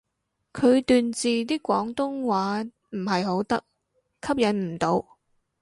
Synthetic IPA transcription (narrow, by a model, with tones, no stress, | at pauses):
kʰɵ˨˧ɥt̪yː˨˧nt͡siː˨t̪̬iː˥kʷɔː˨˥ŋt̪ʊ˥ŋwaː˨˥ | m̩˨˩ɦɐ˨jɦo˨˥wt̪ɐ˥k̚ | kʰɐ˥p̚jɐ˨˥nm̩˨˩t̪o˨˧w